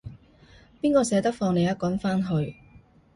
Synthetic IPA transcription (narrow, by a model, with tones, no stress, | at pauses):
piː˥nkɔː˧sɛː˨˥t̪ɐ˥k̚fɔː˧ŋne˨˧jɐ˥t̚kwɐ˨˥nfaː˥nɦɵ˧ɥ